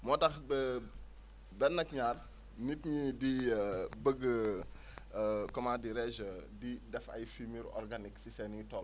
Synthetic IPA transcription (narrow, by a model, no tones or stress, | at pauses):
mɔtɐxb | bɛnːɐkɲaːr | nitɲidibəɡːə | kɔmadiɾɛʒədidɛfɐ̰jfimiɾɔ̰rɡaniksisɛnɲitɔːl